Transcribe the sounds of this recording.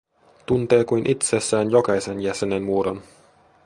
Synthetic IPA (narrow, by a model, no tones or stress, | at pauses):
t̪unt̪e̞ːkujnʔit̪sesːæːnjokɑjse̞njæsenenmuːɾon